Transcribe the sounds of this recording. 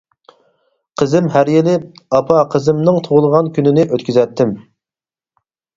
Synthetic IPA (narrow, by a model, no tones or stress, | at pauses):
qʰəzɪmɦæɾjilɪɑpʰɑqʰəzɪmnɨŋt̪ʰoʁʊlˠəʁɑnkʲynɪnɪʔøt̪kʲyzɛt̪ʰːɪm